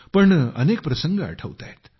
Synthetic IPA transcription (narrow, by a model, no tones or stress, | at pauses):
pəɳə̰nek̚pɾəsəŋɡəə̰ʈʰəʋt̪a̰et̪